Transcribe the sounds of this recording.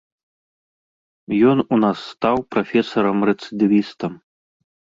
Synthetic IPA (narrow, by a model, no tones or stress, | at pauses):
jɔnunasːt̪awpɾafʲɛsɐɾɐmrɛt̪sɨd̪ɨvʲist̪ɐm